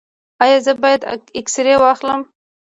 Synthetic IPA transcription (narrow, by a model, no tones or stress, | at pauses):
ɑjɑzəbɑjad̪ɪksɪɾewɑxləm